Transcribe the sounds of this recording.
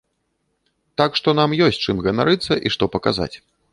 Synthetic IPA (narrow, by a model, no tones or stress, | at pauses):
t̪akʂt̪ɔn̪amjɔsʲtʲt͡ʂɨmɣɐnaɾɨt̪sːɐʔiʂt̪ɔpɐka̰za̰t͡sʲ